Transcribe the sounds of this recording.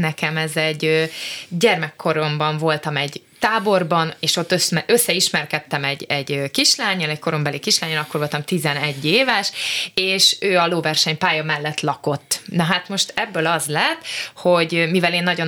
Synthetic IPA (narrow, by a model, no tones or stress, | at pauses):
nɛkɛmɛzɛɟːøɟɛrmɛkʰːo̞ɾo̞mbɒɱvo̞lt̪ɒmɛɟ | t̪aːbo̞rbɒneːʃo̞t̪ːøsmɛʔøsːɛiʃmɛrkɛt̪ːɛmɛɟːɛɟøkiʃlaːɲːɒlɛcko̞ɾo̞mbɛlikiʃlaːɲːɒlɒkːo̞rvo̞lt̪ɒmt̪izɛnɛɟːeːvɛʃeːʃøːɒloːvɛrʃɛɲpaːjɒmɛlːɛt̪lɒko̞t̪ːnɒɦaːt̪mo̞ʃt̪ɛbːøːlɒzlɛt̪ːho̞ɟmivɛleːnːɒɟo̞n